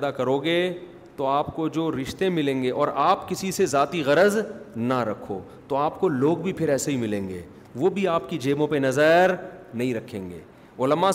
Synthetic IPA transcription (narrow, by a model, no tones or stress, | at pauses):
d̪akɐɾoːɡe | t̪oaːpkod͡ʒoːɾɪʃt̪emɪlẽːŋɡeʔɔːɾaːpkɪsisezaːt̪iɣɐɾəznɐɾɐkʰːo̰ː | t̪oaːpkoloːɡbʱipʰɪɾɛːseɦimɪlẽːŋɡḛː | ʋoːbʱiaːpkid͡ʒeːmõpenɐzəɾnɐɦĩɾɐkʰːẽːŋɡḛː | ʊləma